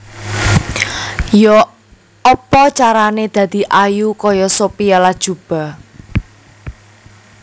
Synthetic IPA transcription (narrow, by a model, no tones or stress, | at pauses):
jɔ | ɔpɔt͡ʃaɾaned̪̥ä̤d̪̥i̤ʔajukɔjɔsopijɔlad̥ʒ̥ub̥a̤